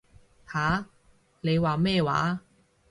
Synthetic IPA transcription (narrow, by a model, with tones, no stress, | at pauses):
haː˨˥˦ | ne˨˧jwaː˨mɛː˥˧wa̰ː˨˥˦